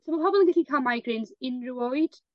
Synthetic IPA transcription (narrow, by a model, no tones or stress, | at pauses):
somapʰɔbɔlˠənɡɪɬikʰamajɡrɪnzɪnruojd̥